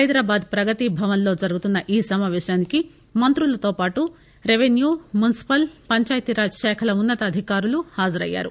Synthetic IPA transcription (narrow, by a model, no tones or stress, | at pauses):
ɐjd̪ɾaːbaːd̪̚pɾɐɡɐt̪ibʱɐʋɐnlo̞ːd͡ʒɐɾuɡut̪unːɐʔiːsɐmaːʋɛːʃaːniki | mɐnt̪ɾulɐt̪o̞ːpaːʈu | ɾeʋenjuːmjunisi̥pɐlpɐɲt͡ʃaːjɐt̪iɾaːd͡ʒɐʃɛːkʰɐlɐunːɐt̪ɐːd̪ʱikaːɾuluhaːd͡ʒɐɾɐ̰jːa̰ːɾṵ